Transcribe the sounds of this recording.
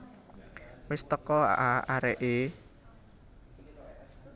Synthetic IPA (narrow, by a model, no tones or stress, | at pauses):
wɪst̪əkɔa̰ʔaaɾɛʔe